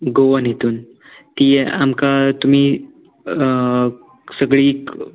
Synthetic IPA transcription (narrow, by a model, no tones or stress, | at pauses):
ɡoʋənɦet̪uːn | t̪ijeʔamkat̪um̤iː | səɡɭiːk